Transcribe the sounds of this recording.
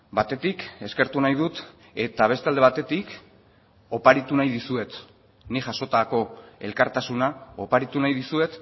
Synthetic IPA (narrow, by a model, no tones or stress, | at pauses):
bat̪e̞t̪ike̞ske̞ɾt̪unajð̞ut̪ | e̞t̪aβ̞e̞st̪eald̪eat̪e̞t̪ik | o̞paɾit̪unajðisue̞t̪ | niʝaso̞t̪ako̞e̞lkaɾt̪asunao̞paɾit̪unajðisue̞t̪